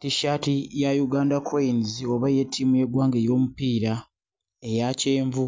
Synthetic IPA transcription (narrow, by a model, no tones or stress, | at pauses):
tiʃatijajuɡaːndakʰeinzio̞βaje̞tʰːimujeɡwaːŋɡejo̞ːmupiːɾa | e̞jace̞ːɱvu